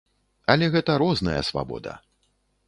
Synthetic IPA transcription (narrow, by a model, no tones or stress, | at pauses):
ɐlʲɛɣɛt̪ɐɾɔznɐjɐ̰sva̰bɔ̰d̪ɐ̰